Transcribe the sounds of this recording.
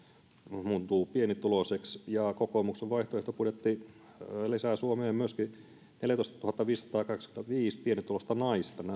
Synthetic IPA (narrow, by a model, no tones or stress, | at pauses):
muːnt̪uːpienit̪uloseksjɑkokomukseʋʋɑiht̪oeht̪opudet̪ːi | lisæsuomeːmmyøski | neljæt̪oˑist̪ɑ̥t̪uhɑt̪ːɑʋiːsɑ̥t̪ɑːkɑkskynt̪æʋiːspienit̪ulost̪ɑnɑist̪ɑn